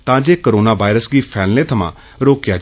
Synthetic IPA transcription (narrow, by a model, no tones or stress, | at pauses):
t̪ãd͡ʒeːkəɾoːnaːbaːɪɾəsɡiːpʰɛːlnẽt̪ʰəmã̰ː | ɾoːkjad͡ʒ